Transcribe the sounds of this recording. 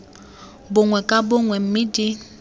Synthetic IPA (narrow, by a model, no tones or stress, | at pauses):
bʊŋwɛkʼabʊŋwɛm̩mɪdɪ